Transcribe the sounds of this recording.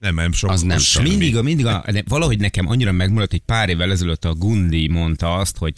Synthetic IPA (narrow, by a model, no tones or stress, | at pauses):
ɛmɛmʃoznɛ̰mʃomind̪iɡmind̪iɡɒnɛvɒlɒɦo̞ɟnɛkɛmʔɒ̰ɲːiɾɒmɛɡmuɾɒt̪ːɛc̚ʲpaːɾeːvːɛlɛzɛløt̪ːɒɡund̪imo̞nt̪ɒɒst̪ho̞ɟ